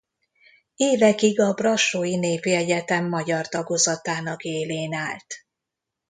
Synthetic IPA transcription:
eːvɛkiɡɒbrɒʃoːjineːviɛjɛt̪ɛmːɒɟɒrt̪ɒɡo̞zɒt̪aːnɒkeːleːnaːlt̪

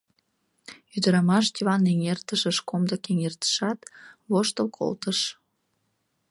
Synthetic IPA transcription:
yd̪əɾɑmɑʃt̪ʲiβɑneŋert̪əʃəʃkomd̪əkeŋert̪ə̥ʃɑt̪βoʃt̪əlkʰo̰lt̪əʃ

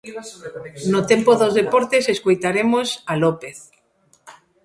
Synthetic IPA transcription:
not̪empoðozðepɔɾt̪eseskojt̪aɾemosalopeθ

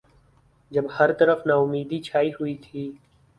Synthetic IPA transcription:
d͡ʒɐbhɐɾt̪ɐɾəfnaːʊmːiːd̪it͡ʃʰaːiɦʊit̪ʰiː

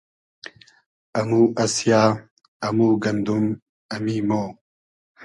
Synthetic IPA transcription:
ɐmuʔɐsjaː | ɐmuːɡɐnd̪um | ɐmiːmoː

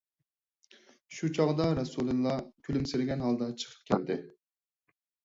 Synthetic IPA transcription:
ʃut͡ʃʰɑʁd̪ɑɾɑsulˠɨlˠːɑkʲʰylymsɪɾɪɡʲɛnɦɑlˠd̪ɑt͡ʃʰə̥qʰə̥p̚kʲʰɛ̰ld̪ɪ

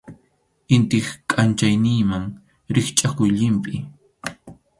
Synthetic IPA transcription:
ɪnt̪ɪχkʼant͡ʃajnɪːmaŋ | ɾɪχt͡ʃʼakʊjʎɪmpɪ

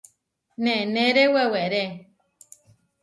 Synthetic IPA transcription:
nẽnẽɾeweweɾe

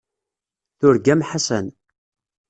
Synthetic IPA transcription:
θʊɾɡæmħasən

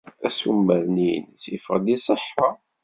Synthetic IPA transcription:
æsumːæɾninsifʁd̪isˤəħɑ

